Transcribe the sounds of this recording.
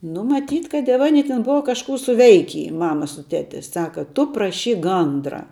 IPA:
nʊ mɐˈtʲiːt kɐt jɛw ɐˈnʲɪ tʲɪ ˈbʊʋɐ kɐʃˈkuː sʊˈʋʲɛɪkʲiː ˈmɑːmɐ sʊ ˈtʲæːtʲɪ ˈsɑːkɐ ˈtʊ prɐˈʃʲiːk ˈɡɐndrɐ

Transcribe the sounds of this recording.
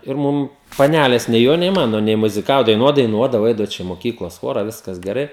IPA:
ɪr ˈmʊm pɐˈnʲælʲeːs nʲɛɪ ˈjoː nʲɛɪ ˈmɑːnoː nʲɛɪ mʊzʲɪˈkɑːʋoː dɐɪˈnuɔt dɐɪˈnuɔdɐʋoː ˈɐɪdɐʋoː ˈt͡ʃʲɛ ɪ moːˈkʲiːklˠoːs ˈxoːrɐ ˈʋʲɪskɐs ɡʲɛˈrɐɪ

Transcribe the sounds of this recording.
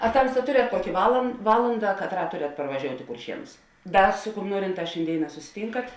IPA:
ɐ ˈtɐmstɐ ˈtʊrʲɛt ˈkuɔkʲɪ ʋɐlˠ ˈʋɑːlˠɐndɐ kɐtˈrɑː ˈtʊrʲɛt pɐrʋɐʒʲoːʊtʲ ɪ kʊrʲˈʃʲiɛnʊs ˈdɐr sʊ kʊm ˈnuɔrʲɪnˌtɑːs ʃʲeːnʲˈdʲeːɪˌnɑː sʊsʲɪˈtʲiːŋkɐt

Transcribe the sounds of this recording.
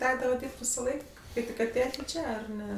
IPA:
ˈtʲæːɡdɐʋɐ ˈdʲiːrʲpʲtʲ ʋʲɪsɐˈlˠɐɪk ˈkɐɪ tʲɪk ɐˈtʲeːjɛtʲ ˈt͡ʃʲɛ ɐr ˈnʲɛ

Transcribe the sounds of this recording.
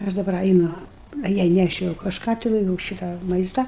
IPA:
ɪ ˈɐʃ dɐˈbɐr ɐɪˈnʊ ɐ ˈjɛɪ nʲɛˈʃʲɛʊ kɐʃˈkɑː tʲɪˈnɐɪ juːʊ ˈʃʲɪtɑː ˈmɐɪstɐ

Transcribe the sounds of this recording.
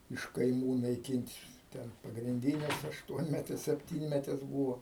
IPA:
ɪʃ kɐɪˈmuː nɐɪˈkʲɪnʲtʲ ˈtʲɛn pɐɡrʲɪnʲˈdʲiːnʲɛs ɐʃˈtuɔnʲmʲɛtʲɛs sʲɛpʲˈtʲiːnʲmʲɛtʲɛs buːʋoː

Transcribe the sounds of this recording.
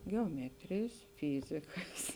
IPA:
ɡʲɛoːˈmʲæːtʲrʲeːjs ˈfʲiːzʲɪkɐs

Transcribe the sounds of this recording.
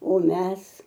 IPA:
oː ˈmʲɛs

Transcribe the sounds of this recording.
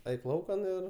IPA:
ˈɐɪk ˈlˠɐʊkɐn ɪr

